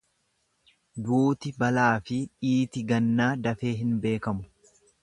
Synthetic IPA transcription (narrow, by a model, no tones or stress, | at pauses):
d̪uːt̪ɪbɐlaːfɪᶑiːt̪ɪɡɐnːaːd̪ɐfe̞ːɦɪnbe̞ːkɐmʊ̥